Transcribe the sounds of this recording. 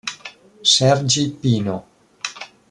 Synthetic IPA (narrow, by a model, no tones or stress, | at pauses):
sɛrd͡ʒipiːno